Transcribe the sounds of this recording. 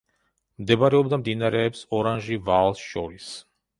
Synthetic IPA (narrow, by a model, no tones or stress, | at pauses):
md̪ɛbaɾɛɔbd̪amd̪inaɾɛːpsɔɾanʒivalˠsʃɔɾis